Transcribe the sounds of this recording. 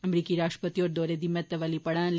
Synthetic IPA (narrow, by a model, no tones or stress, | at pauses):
ɐmɾikiɾaːʃʈə̥pət̪ioɾd̪oɾed̪imːət̪ːɐʋalipɐɽãnl